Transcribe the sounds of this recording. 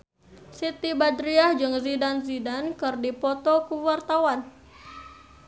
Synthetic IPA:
sit̪ibadɾiahd͡ʒɨŋzidanzidankɨrdipɔt̪ɔkuwart̪awan

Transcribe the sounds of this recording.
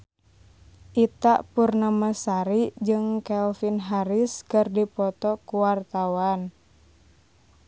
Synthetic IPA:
ʔit̪aʔpurnamasaɾid͡ʒɨŋkɛlfinɦaɾiskɨrdipɔt̪ɔkuwart̪awan

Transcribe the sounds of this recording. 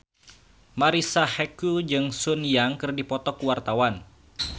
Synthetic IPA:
maɾisahɛkud͡ʒɨŋsunjaŋkɨrdipɔt̪ɔkuwart̪awan

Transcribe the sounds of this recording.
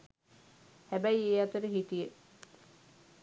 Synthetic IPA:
hæbæjieːat̪əɾəɦit̪ijə

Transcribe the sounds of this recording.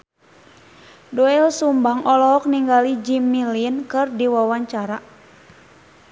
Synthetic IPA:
dɔɛlsumbaŋʔɔlɔɦɔk̚niŋɡalid͡ʒimːilinkɨrdiwawaɲt͡ʃaɾa

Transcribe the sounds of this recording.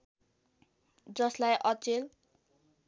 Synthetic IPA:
d͡zʌslajʔʌt͡sel

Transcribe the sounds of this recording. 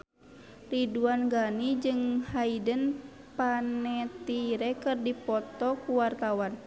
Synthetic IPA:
riduanɡanid͡ʒɨŋhaidən | panɛt̪iɾɛkɨrdipɔt̪ɔkuwart̪awan

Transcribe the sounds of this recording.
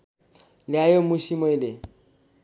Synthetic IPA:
lɪajomʊʃimoilɪ

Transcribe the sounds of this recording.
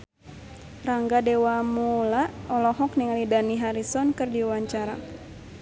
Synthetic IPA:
raŋɡadewamulaʔɔlɔɦɔk̚niŋalidaniɦaɾisɔnkɨrdiwaɲt͡ʃaɾa̰

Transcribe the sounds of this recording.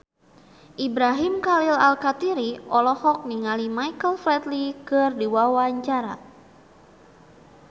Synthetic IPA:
ʔibɾaɦimkalilalkat̪iɾiʔɔlɔhɔk̚niŋalimajkəlflɛt̪likɨrdiwawaɲt͡ʃaɾa̰

